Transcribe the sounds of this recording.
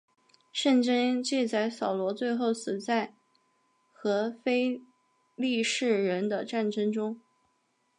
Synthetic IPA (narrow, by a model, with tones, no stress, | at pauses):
ʂə˥˩nʈ͡ʂə˥ŋt͡ɕi˥˧t͡sa˥˩ɪsɑ˨˩ʊlwɔ˧˥t͡swe˥˧ɪxo˥˩ʊs̩˨˩t͡sa˥˩ɪ | xɤ˧˥fe˥ɪ | li˥˧ʂɻ̩˥˩ɻə˧˥nd̪ə˧ʈ͡ʂa˥˩nʈ͡ʂɤ˥ŋʈ͡ʂʊ˥ŋ